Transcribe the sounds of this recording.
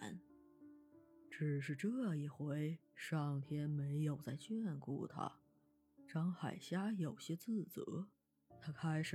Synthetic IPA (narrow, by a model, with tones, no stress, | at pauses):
n | ʈ͡ʂɻ̩˨˩ʂ̬ɻ̩˥˩ʈ͡ʂɤ˥˧i˨˩xwe˧˥ɪ | ʂɑ˥˩ŋt̪ʰjɛ˥nme˧˥ɪjo˨˩ʊt͡sa˥˧ɪt͡ɕɥɛ˥nkṵ˥˩t̪ʰa̰˥ | ʈ͡ʂɑ˥ŋxa̰˨˩ɪɕja˥jo˨˩ʊɕjɛ˥t͡sɹ̩˥˩t͡sɤ̰˧˥ | t̪ʰa˥kʰa˥ɪʂɻ̩˨˩